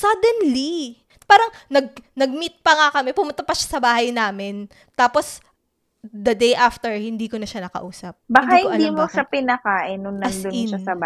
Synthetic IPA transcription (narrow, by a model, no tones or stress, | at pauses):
sɐd̪ɛnli | paːɾɐŋnɐɡ̚nɐɡ̚mit̪̚pɐŋakɐmɛpʊmʊnt̪ɐpɐʃḁsɐbaːhɐjnaːmɪn | t̪aːpos | d̪ɐd̪ejʔaft̪ɛɹhɪnd̪iːkonɐʃanɐkɐ̰ʔuːsɐp̚bakahɪkonʔɐlimoʃapɪnɐkaːʔɪnːʊŋnɐɐsnd̪ʊɪnʃasɐba